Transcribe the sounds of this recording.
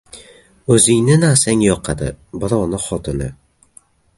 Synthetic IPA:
ɵzɪŋnɪnasaŋjɒqʰɑd̪ɪ̰bɪɾɒwnɪχɒt̪ʰɪnɪ̰

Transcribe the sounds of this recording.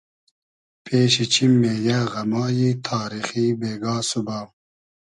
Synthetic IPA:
pʰeːɕit͡ɕʰimːeːjaːɣɐmɑːjiːt̪ʰɑːɾixiːbeːɡɑːsubaw

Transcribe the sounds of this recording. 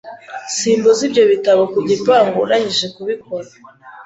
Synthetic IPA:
siːmbozibɟo̞βitaβokuɟipaːŋɡuɾahiʒe̞kuβik̚o̞ɾa

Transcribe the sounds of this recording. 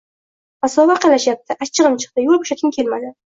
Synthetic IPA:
asɒvaqʰɑlaʃjap̚t̪ʰɪʔat͡ʃʰːɨʁɨmt͡ʃʰɨ̥q̚t̪ɪjolˠbo̥ʃat̪ʲkʲʰɪmkʲʰe̞lmad̪ɪ

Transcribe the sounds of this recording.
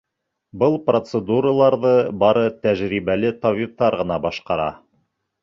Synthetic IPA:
bɤlˠprot̪səd̪uɾəlˠɑɾðɤbɑɾɤt̪æʒɾiβælɘt̪ɑβift̪ɑɾʁɤ̆nɑbɑʃqɑɾɑ̰

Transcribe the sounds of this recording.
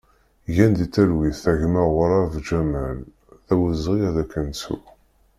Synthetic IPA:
jænd̪it͡s̪ːæɾwiθθæʝmæʁʊɾˤavd͡ʒæmæl | θæwəzʁiæðækːənsṵ

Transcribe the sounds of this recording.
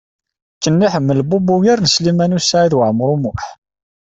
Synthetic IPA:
kːənːiħəmːəlbubujiɾnslimænusaʕiðwəʕəmːɾˤumʊħ

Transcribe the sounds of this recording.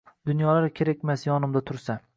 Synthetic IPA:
d̪ʊnjɒlaɾkʲʰe̞ɾakʲmasjɒnɪmd̪at̪ʰʊɾsa

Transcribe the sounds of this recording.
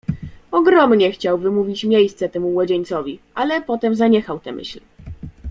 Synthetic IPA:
ɔɡɾɔmɲɛxt͡ɕawvɘmuvʲit͡ɕmʲjejst̪sɛt̪ɛmumwɔd͡ʑeɲʲt̪sɔvʲiʔalɛpɔt̪ɛmzaɲɛxawt̪ɛ̰mʔɘ̰ɕl

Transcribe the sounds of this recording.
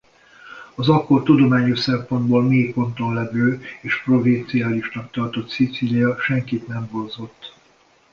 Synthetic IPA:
ɒzɒkːo̞rt̪ud̪o̞maːɲo̞ʃsɛmpo̞nd̪boːlmeːkpo̞nt̪o̞nlɛvøːeːʃpro̞vint̪siaːliʃnɒkt̪ɒrt̪o̞t̪sit̪silijɒʃɛŋkit̪nɛmbonzo̞t̪ː

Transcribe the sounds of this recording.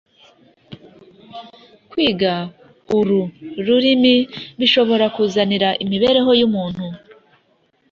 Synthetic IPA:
kwiːɡa | uɾuɾuɾimiβiʃo̞βo̞ɾakuːzaniɾaʔimiβe̞ːɾe̞ɦo̞jumuːn̥hu

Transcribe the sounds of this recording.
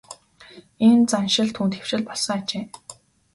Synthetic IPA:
ent͡sanʃɪ̆ɮt̪ʰuːnt̪xew̥ʃɪ̆ɮpɔɮsə̆ŋat͡ɕeː

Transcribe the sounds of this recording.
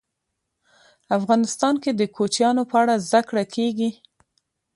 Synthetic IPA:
afɣɑnɪst̪ɑnked̪əkot͡ʃjɑnopəaɽazd̪akɽakʰeɡi

